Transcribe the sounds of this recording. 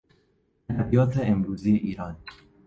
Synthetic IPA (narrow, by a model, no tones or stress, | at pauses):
ad̪æbijɒːt̪ʰeemɾuːzijeʔiːɾɑːn